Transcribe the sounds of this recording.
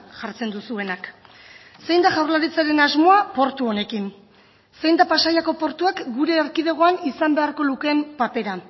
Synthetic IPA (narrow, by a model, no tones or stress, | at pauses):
ʝaɾt͡se̞nd̪usue̞nak | se̞jnd̪aʝawɾlaɾit͡saɾe̞nazmo̞apo̞ɾt̪uo̞ne̞kin | se̞jnd̪apasajako̞po̞ɾt̪uakɡuɾe̞ːɾkiðe̞ɣ̞o̞anisambe̞aɾko̞luke̞mpape̞ɾa